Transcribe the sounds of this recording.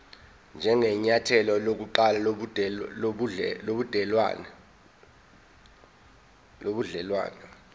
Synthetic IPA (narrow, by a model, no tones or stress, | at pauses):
nd͡ʒʱɛŋɛɲatʰɛlɔlok̬uǃala | loɓud̥ʱɛlwa̰nɛ | loɓuɮɛlwa̰ːnɛ